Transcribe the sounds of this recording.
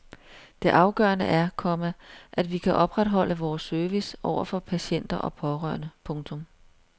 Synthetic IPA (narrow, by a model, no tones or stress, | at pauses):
d̥e̝ʔɑ̈ʊɡ̥ɶ̰ːɐnəʔæɐkʰɒ̽mæʔæd̥ʋikʰæʔɒ̽b̥ʁad̥ɦɒ̽l̰əʋɒːsːøɐʋisʔɒʊ̰ɐfɒ̽pʰæɕen̰d̥ɐʔɒ̽pʰɒ̽ʁɶ̰ɐnəpʰɔ̽ŋt͡sʰɔ̽m